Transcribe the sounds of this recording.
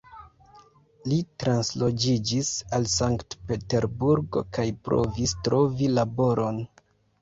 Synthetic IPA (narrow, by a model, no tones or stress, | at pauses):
litɾanslo̞d͡ʒid͡ʒisalsaŋktpe̞te̞ɾbuɾɡo̞̰kajpɾo̞̰vistɾo̞vilabo̞ɾʔo̞n